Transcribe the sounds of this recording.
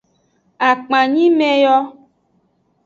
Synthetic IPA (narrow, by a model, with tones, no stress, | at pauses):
a˨k͡pã˨ɲĩ˦me˦jɔ˦